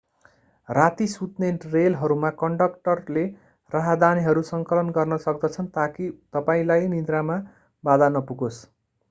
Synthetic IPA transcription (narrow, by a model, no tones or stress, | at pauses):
rat̪isut̪nerelɦʌɾumakʌɳɖʌkʈʌrle | raɦad̪aniɦʌɾusʌŋkʌlʌnɡʌrnʌsʌk̚d̪ʌt͡sʰʌnt̪akit̪ʌpaĩlajnind̪ɾama | bad̪anʌpuɡos